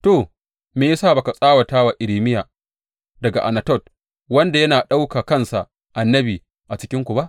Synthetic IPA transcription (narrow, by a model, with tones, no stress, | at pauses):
to˨ | meː˨jsaː˦˨ba˨ka˨sʼaː˦wɐ˨taː˦wa˨ʔɪ˨ɾiː˨mɪ˦jaː˨ | dɐ˨ɡa˨ʔa˨nɐ˨tɔ˦˨t̚ | wɐ˦nda˨jɐ˦naː˨ɗa˦wkaː˨kɐ˦˨nsa˨ | ʔa˨nːɐ˦biː˨ | ʔa˨t͡ʃɪ˦kʲɪ˦ŋkʷu˨ba˦ʔ